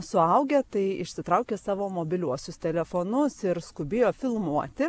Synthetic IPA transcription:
sʊɐʊɡʲeːt̪ɐɪɪʃʲsʲɪt̪ɾɐʊkʲeːsɑːʋoːmoːbʲɪlʲuɔsʲʊst̪ʲɛlʲɛfoːnʊsɪɾskʊbʲeːjoːfʲɪlˠmuɔt̪ʲɪ

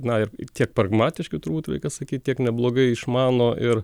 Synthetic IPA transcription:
nɐɪrt̪ʲiɛk̚pɾɐɡmɑːt̪ʲɪʃkʲɪt̪ʊɾbuːt̪ɾɐ̰ɪkʲɐsɐkʲiːt̪̚ʲt̪ʲiɛknʲɛblˠoːɡɐɪɪʃmɑːnoːʔɪr

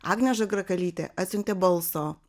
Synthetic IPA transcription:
a̰ːɡnʲɛʒɐɡɾɐkɐlʲiːt̪ʲɛ̰ʔɐt̪ʲsʲʊnʲt̪ʲɛbɐlˠsoː

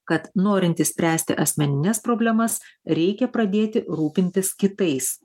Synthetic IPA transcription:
kɐt̪noːɾʲɪnʲt̪ʲisʲpʲɾʲæːsʲt̪ʲɪ̰ʔɐsʲmʲɛnʲɪnʲɛspɾoːbʲlʲɛmɐsɾʲɛɪkʲɛpɾɐd̪ʲeːt̪ʲɪɾuːpʲɪnʲt̪ʲɪskʲɪt̪ɐɪs

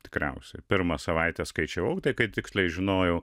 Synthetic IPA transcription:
t̪ʲɪ̥kɾʲɛ̰ʊsʲɛpʲɪɾmɐsɐʋɐɪt̪ʲɛskɐɪt͡ʃʲɛʋɐʊt̪ɐɪkɐɪt̪ʲɪksʲlʲɛɪʒʲɪnoːjɛʊ

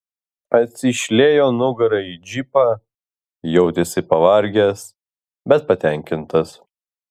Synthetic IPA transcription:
ɐt̪ʲsʲɪʃʲlʲeːjoːnʊɡɐɾɐid͡ʒʲipɑː | jɛʊt̪ʲesʲɪpɐʋɐɾʲɡʲɛs | bʲɛt̪̚pɐt̪ʲɛˑŋʲkʲɪnt̪ɐs

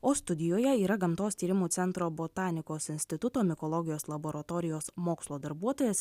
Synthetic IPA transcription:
oːst̪ʊd̪ʲɪjoːjɛiːɾɐɡɐmt̪oːst̪ʲiːɾʲɪmuːt̪sʲɛnt̪ɾoːboːt̪ɑːnʲɪkoːsɪnʲsʲt̪ʲɪt̪ʊt̪oːmʲɪkɔlˠɔɡʲɪjoːslˠɐboːɾɐt̪ɔːɾʲɪjoːsmoːkslˠoːd̪ɐɾbuɔt̪oːjɛːs

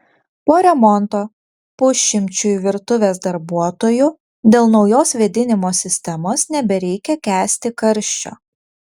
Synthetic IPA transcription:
poːɾʲɛmɔnt̪oː | pʊʃʲːɪmʲt͡ʃʲʊʋʲɪɾt̪ʊʋʲeːsd̪ɐɾbuɔt̪oːjʊ | d̪ʲeːlˠnɒʊjoːsʋʲɛd̪ʲɪnʲɪmoːsʲɪsʲt̪ʲɛmoːsnʲɛbʲɛɾʲɛɪkʲɛkʲæːsʲt̪ʲɪkɐɾʲʃʲt͡ʃʲo̰ː

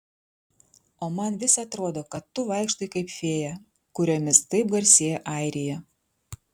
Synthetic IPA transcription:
oːmɐnʋʲɪsɐt̪ɾoːd̪oːkɐt̪ːʊʋɑˑɪkʃt̪oːjɪkɐɪpʲfʲeːjɛ | kʊɾʲomʲɪst̪ɐɪp̚ɡɐɾʲsʲeːjɛʔɐˑɪɾʲɪjɛ

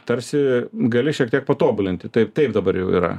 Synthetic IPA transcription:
t̪ɐɾʲsʲɪɡɐlʲɪʃʲiɛkt̪ʲiɛkpɐt̪oːbʊlʲɪnʲt̪ʲɪt̪ɐɪpt̪ɐɪpd̪ɐbɐɾjɛʊḭɾɐ̰

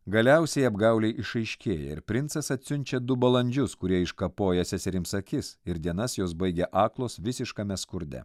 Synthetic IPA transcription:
ɡɐlʲɛʊsʲɛjɐbɡɐˑʊlʲɛɪʔɪʃɐɪʃʲkʲeːjɛ̰ɪ̰ɾpʲɾʲɪnt̪sɐsɐt̪ʲsʲʊnʲt͡ʃʲɛd̪ʊbɐlˠɐnʲd͡ʒʲʊskʊɾʲiɛɪʃkɐpoːjɛsʲɛsʲɪɾʲɪmsɐkʲɪsɪɾd̪ʲiɛnɐsjoːs̬bɐɪɡʲɛʔɑːklˠoːsʋʲɪsʲɪʃkɐmʲɛskʊɾʲd̪ʲɛ̰

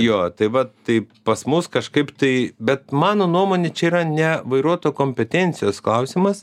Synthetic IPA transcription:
joːt̪ɐɪʋɐt̪ɐɪpɐsmʊskɐʃkɐɪpt̪ɐɪbʲɛt̪̚mɑːnoːnuɔmoːnʲet͡ʃʲɛiːɾɐnʲɛʋɐɪɾuɔt̪oːkoːmʲpʲɛt̪ʲɛnʲt͡sʲɪjoːsklˠɐʊsʲimɐs

